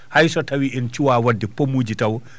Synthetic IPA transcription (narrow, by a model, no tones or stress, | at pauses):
hajsɔtawiʔɛnt͡ʃuwaːwadːɛpomuːd͡ʒitaw